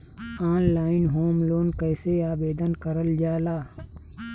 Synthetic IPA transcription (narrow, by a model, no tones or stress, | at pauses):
aːnlaːɪnɦoːmloːnkɛːseaːbeːd̪ənkəɾəld͡ʒaːlaː